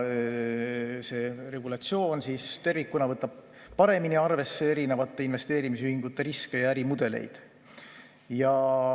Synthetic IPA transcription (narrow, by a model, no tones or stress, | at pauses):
se̞ːre̞ɡ̥ulɑt̪sio̞ːnsiːst̪e̞rvikːunɑvɤt̪ːˑɑb̥ | pɑɾe̞miniɑrve̞sːeeɾinevɑt̪ːe̞inve̞st̪e̞ːɾimisyhiŋɡut̪ːeɾiske̞jɑæɾimud̪̥e̞lḛjd̪̥ | jɑ